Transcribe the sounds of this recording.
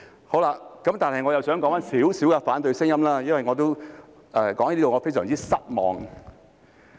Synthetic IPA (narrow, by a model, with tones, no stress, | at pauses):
ho˨˥wla˧kɐ˨˦mt̪aː˨nhɐ˨jŋɔ˨˧jɐ˨wsœː˨˥ŋkɔː˨˥ŋfaː˧˥nsiː˨˥wsiː˨˥wkɛ˧faː˨˥nt̪̬ɵ˨˧ɥsɪ˥ŋjɐ˥mlaː˥jɐ˥nwɐ˨˩jŋɔ˨˧t̪o˥w | ʔɛː˧˩kɔː˨˥ŋɐ˧˦iː˥o˨ŋɔː˨˧fe˥jsœː˨˩ŋt͡siː˥sɐ˥t̚mɔ̰ː˨ŋ